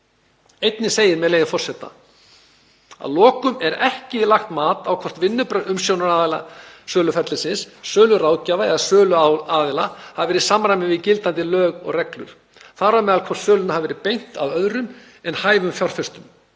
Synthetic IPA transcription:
ejt̪nɪseːjɪɾmɛðlejðɪfɔr̥sɛt̪ːa̰ | a̰ðlɔːkʏmɛɾɛhcɪlaxt̪maːt̪awkʰɔr̥t̪vɪnːʏpɾœʏmsjoːwnaɾaɪlasœːlʏfɛt̪lɪsɪnssœːlʏɾaːwcaːvaɛðasœːlʏaːðɪlahavvɛːɾɪsamɾajmɪvɪcɪlt̪ant̪ɪlœːɣɔ̰ɣrɛklʏ̰ɾ̥ | θaɾamɛðalkʰvɔ̥t̪sœːlʏnahavɛːɾɪpejn̥t̪avœðɾʏm | ɛnhaːjvʏmfjɔr̥fɛst̪ʏm

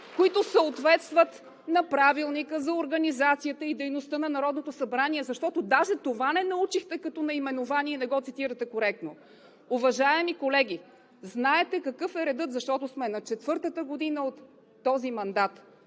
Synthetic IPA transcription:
koit̪osəot̪vɛt̪st̪vət̪ | nɐpɾavilˠnikəzɐoɾɡɐnizat̪sijət̪əid̪ɛjnost̪ənɐnɐɾɔd̪not̪osɐbɾaniɛzɐʃt̪ɔt̪od̪aʒɛt̪ovanɛnɐut͡ʃixt̪ɛkɐt̪ɔnɐimɛnovaniɛnɛɡɔt̪sit̪iɾət̪ɛkoɾɛk̚t̪no | ʊvɐʒaɛmikolɛɡʲi | znaɛt̪ɛkɐkɤfɛɾɛd̪ɤt̪zɐʃt̪ɔt̪ʊsmɛnɐt͡ʃɛt̪vɤɾt̪ət̪əɡod̪inəot̪ː | ɔzimɐnd̪at̪

